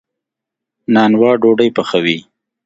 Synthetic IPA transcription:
nɑnwɑːɖoɖəjpəxawi

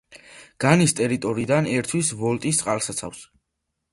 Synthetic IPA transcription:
ɡ̥anist̪ʼɛɾit̪ʼɔɾiːd̪anɛɾt̪ʰwisvɔlt̪ʼist̪sʼqʼalˠsat̪sʰa̰fs

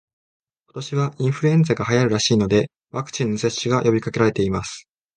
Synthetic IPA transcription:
ko̞t̪o̞ɕiβaĩɰ̃ɸɯ̟ɾɯ̟ẽ̞nd͡zaɡaɦajaɾɯ̟ɾaɕiːno̞d̪e̞ | βakɯ̟̥t͡ɕĩnːo̞se̞ɕːiɡajo̞bʲikake̞ɾaɾe̞t̪e̞imasɨ̥

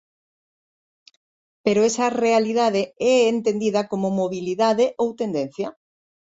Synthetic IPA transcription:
peɾoesɐrealið̞aðeɛːnt̪end̪iðɐkomʊmoβiliðaðeʔowt̪end̪en̟θjɐ

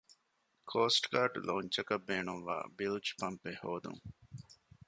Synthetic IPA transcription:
kʰoːsʈkaːʈloːɲt͡ʃɐkɐbːeːɳuʋʋa̰ːbilt͡ʃpɐmpehoːd̪ṵŋ

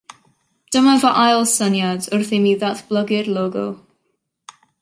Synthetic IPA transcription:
d̥əmavɔʔajlˠsənjadʊrθimiðatb̥lˠəɡɪrlˠoːɡʊ̰lˠ

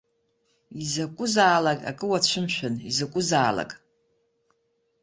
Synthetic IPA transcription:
izakʷʼʊzaːlakʼa̰kʼɨwat͡ɕʷʰʊmʃᶣanizakʷʼʊzaːla̰kʼ

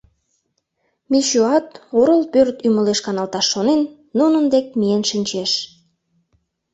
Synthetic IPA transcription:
miɕuɑt̪oɾəlpørt̪yməleʃkɑnɑlt̪ɑʃːonenː | unənd̪ek̚mijənʃinʲt͡ɕeʃ

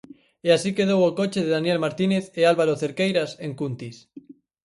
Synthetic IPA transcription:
easikeð̞owakot͡ʃeð̞eðanjelmaɾt̪ineθealβaɾoθeɾkejɾaseŋkunt̪is

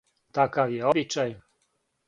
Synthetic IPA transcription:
t̪akajɛɔbit͡ʂaj

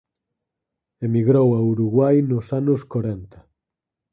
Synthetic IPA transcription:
emiɣɾowauɾuɣwajnosanuskoɾɛnt̪a

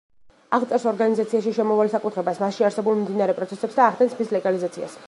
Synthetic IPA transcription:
aʁt̪sʼɛɾsɔɾɡanizat̪sʰiaʃiʃɛmɔvalsakʼut̪ʰχɾɛbasmasʃiaɾsɛbulˠmimd̪inaɾɛpʼɾɔt̪sʰɛsɛpsd̪aːχd̪ɛnsʰbislɛɡalizat̪sʰia̰s

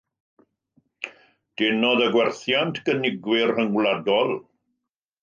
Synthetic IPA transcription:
d̥ɛnɔðəɡwɛrθjantʰɡ̥ənɪɡwɪrhəŋwladɔlˠ

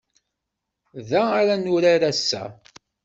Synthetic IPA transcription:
ðæaɾanʊɾaɾæsːæ̰

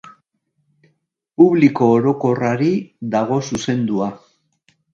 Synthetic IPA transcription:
puβliko̞ːɾo̞ko̞raɾiðaɣ̞o̞suse̞nd̪ua

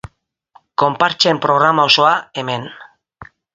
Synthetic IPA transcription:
ko̞mpaɾt͡ʃempɾo̞ɣ̞ɾamaoso̞aeme̞n

